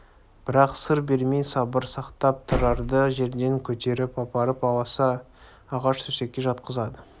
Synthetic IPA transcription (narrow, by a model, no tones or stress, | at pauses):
b̥ɪɾɑqsəɾbe̞ɾme̞jsɑbəɾsɑqt̪ɑp̚t̪ʰəɾɑɾd̪əʒe̞ɾd̪e̞ŋkʲʰɵt̪e̞ɾɪpɑpɑɾəpɑlˠɑsɑː | ʁɑʃt̪ʰɵse̞kʲːe̞ʒɑt̪qəzɑd̪ə